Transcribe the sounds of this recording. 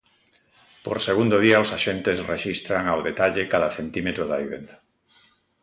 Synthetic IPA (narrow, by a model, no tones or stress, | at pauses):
po̰ɾseɣund̪oðiaʊsaʃent̪esreʃist̪ɾaŋawðet̪aʎekaðaθent̪imet̪ɾoðaβiβḛnd̪a